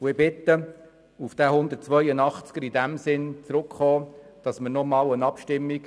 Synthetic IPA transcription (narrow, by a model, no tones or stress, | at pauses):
ʊɪbɪt̪ːə | ufd̥̪æːɦʊnd̪ət̚t͡svœjənɑχt͡sɡ̥əɾidæmsɪnt͡sɾʊkχɔː | d̥ɑsmənɔmɑːlənɑpʃtɪmːik